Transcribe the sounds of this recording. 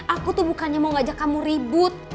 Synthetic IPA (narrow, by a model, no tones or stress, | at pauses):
ʔakut̪ʊhbukanɲamaŋad͡ʒakːamuɾibʊt̪̚